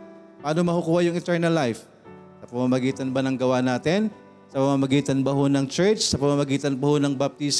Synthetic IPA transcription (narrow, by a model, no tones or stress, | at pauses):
paːnomɐhʊkuːhajʊŋɪt̪ɛɹnɐlːajf | sɐpɐmamɐɡiːt̪ɐnbɐnɐŋɡɐwanaːt̪ɪn | sɐpɐmamɐɡiːt̪ɐnbɐho̞nɐŋt͡ʃɛɹt͡ʃsɐpɐmamɐɡiːt̪ɐnbɐhonɐŋbɐp̚t̪is